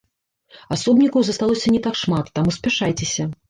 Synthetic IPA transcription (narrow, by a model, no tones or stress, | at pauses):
asɔbnʲikɐwzɐst̪alˠɔsʲɐnʲɛt̪akʂmat̪ːamusʲpʲaʂajt͡sʲesʲɐ